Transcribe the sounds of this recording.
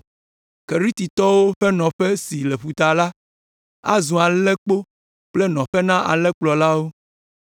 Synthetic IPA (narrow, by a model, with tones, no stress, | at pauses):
ke˨ɾi˦t̪i˨t̪ɔ˦wo˦ɸɛ˦nɔ̃˨ɸɛ˦si˨lɛ˨ɸu˨t̪a˨la˦ | a̰˦zũ˨a˨lɛ˦k͡po˦ | k͡plɛ˦nɔ̃˨ɸɛ˦nã˦ʔa̰˨lɛ˦k͡plɔ˨la˦wo˦